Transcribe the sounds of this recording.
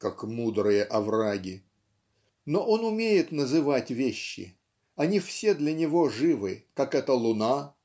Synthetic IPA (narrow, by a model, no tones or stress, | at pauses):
kakmud̪ɾɨjəʔɐvraɡʲɪ | no̞ʔo̞nʊmʲejɪt̪nəzɨvatʲvʲeɕːɪ̰ | ɐnʲifsʲe̞d̪lʲənʲɪvo̞ʐɨvɨkakɛt̪əlˠʊna